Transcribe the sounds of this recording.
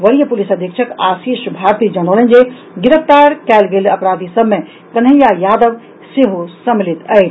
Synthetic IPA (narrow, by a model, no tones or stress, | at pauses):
ʋɐɾijəpʊlisəd̪ʱjekʃʰəkaːsiːʃbʱaːɾt̪iːd͡ʒəñəːlə̃nd͡ʒe | ɡɪɾəft̪aːɾkɛːlɡelɐpɾaːd̪ʱisəbmẽ | k̪ɐnɦejajaːd̪əʋ | seɦusəmilit̪əj